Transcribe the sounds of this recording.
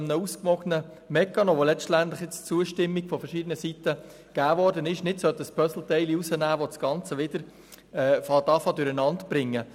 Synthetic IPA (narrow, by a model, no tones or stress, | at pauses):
mnəuskʋɔɡnə | mɛkːɑnoʋolɛʃtænt̪lɪχjɪt͡st͡suəʃtɪmːiɡ̥fɔfəɾʃɪd̪ənəsit̪ːə | ɡ̥æːʋɔɾdənɪʃnɪtsœt̪əspʰœsl̩t̪ɛɪliusənæːʋodsɡ̥ɑnt͡səʋɪd̥̪əɾ | ɛːfɑt̪ɑfɑdʊɾənɑntb̥ɾɪŋːə